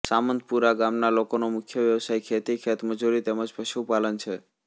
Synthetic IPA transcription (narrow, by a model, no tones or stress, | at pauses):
samənd̪puɾaɡamnalokonomʊkʰjəʋjəʋsajkʰet̪ikʰet̪məd͡ʒuɾit̪eməd͡ʒpəʃupalənt͡ʃʰe